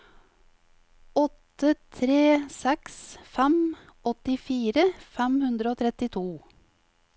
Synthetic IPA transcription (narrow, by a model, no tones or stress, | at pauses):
ɔt̪ət̪ʰɾeːsɛksfæm | ʔɔt̪ɪfiːɾəfæmhʉnd̪ɾəoːt̪ʰɾɛt̪ɪt̪ʰuː